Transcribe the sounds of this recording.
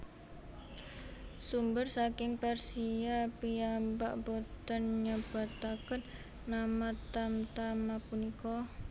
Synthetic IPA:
sumbərsakɪŋpɛrsiapiamba̰ʔbot̪ənɲəb̥a̤t̪akən | namat̪amt̪amapunikɔ

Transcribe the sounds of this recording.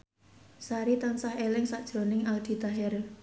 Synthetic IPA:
saɾit̪ansahelɪŋsaʔd̥ʒ̥ɾo̤nɪŋald̪̥i̤t̪aɦɛr

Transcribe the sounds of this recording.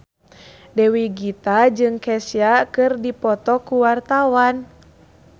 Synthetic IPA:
dɛwiɡit̪ad͡ʒɨŋkɛsijakɨrdipɔt̪ɔkuwart̪awan

